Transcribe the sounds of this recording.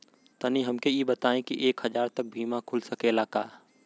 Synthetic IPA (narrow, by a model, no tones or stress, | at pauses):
t̪ɐniɦɐmkejibɐt̪aːẽkiʔeːkhɐzaːɾt̪ɐk̚bʱiːmãkʰʊlsɐkelakaː